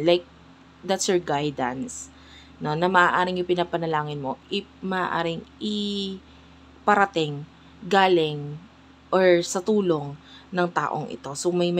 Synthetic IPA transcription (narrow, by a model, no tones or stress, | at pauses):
lajk̚ | d̪at̪sjoɹɡajd̪ɐ̰ns | no̞nɐmɐʔaːʔaːɾɪŋjʊŋpɪnaːpɐnɐlaːŋɪnmo̞ʔɪpmɐʔaːʔa̰ːɾɪŋɪ | pɐɾɐt̪ɪŋ | ɡaːlɪŋ | ʔoɹsɐt̪uːlo̞ŋnɐŋt̪a̰ːʔo̰ŋʔɪ̰t̪o̞somɐjmɐ